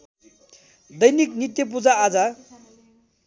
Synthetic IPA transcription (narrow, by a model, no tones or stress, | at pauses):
d̪ʌjnik̚nit̪jʌp̬ud͡zaːd͡za